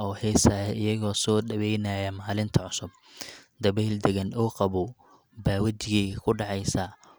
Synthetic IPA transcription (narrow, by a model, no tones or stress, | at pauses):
ɔːhɛsaːjɪjɐɣɔːsɔːɖɐβɛjnaːjɐmaːlɪnt̪ʰɐʕʊsʊb | d̪ɐβɛːld̪ɛɣɐnuːqɑβʊ | baːwɐt͡ʃɪɣɛjkʰʊɖɑʕɑjsɐ